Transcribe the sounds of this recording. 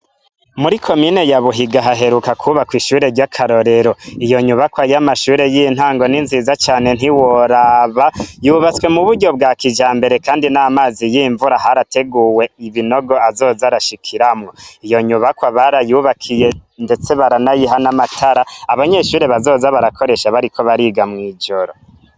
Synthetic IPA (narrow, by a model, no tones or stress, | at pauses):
muɾikʰo̞mine̞jaβuɦiɡaɦaɦe̞ɾukakʰuβakwiʃuːɾe̞ɾɟakʰaɾo̞ɾe̞ɾo̞ijo̞ɲuβakwajamaʃuːɾe̞jin̥haːŋɡo̞ninzizat͡ʃaːne̞n̥iwoɾaβajuβat͡swe̞muβudɟo̞b̚ɡaːkid͡ʒaːmbe̞ɾe̞kaːndinamaːzijiːɱvuɾaɦaɾate̞ɡuwe̞iβino̞ɡo̞azo̞ːzaɾaʃikʰiɾamŋoijo̞ɲuβakwaβaɾajuːβakʰije̞nde̞t͡se̞βaɾanajiɦanamatʰaɾaaβaɲe̞ʃuːɾe̞βazo̞ːzaβaɾakʰo̞ɾe̞ʃaβaɾiko̞βaɾiɡamŋiːd͡ʒo̞ɾo